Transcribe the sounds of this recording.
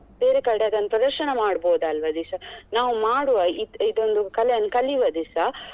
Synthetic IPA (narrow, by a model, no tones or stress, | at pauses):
beːɾekɐɽeɐd̪ɐnːɐpɾɐd̪ɐɾʃɐɳɐmaːɖboːd̪ɐlʋɐd̪isɐnaːʋumaːɽuʋɐiid̪ond̪ukɐleɐnːkɐliʋɐd̪isɐ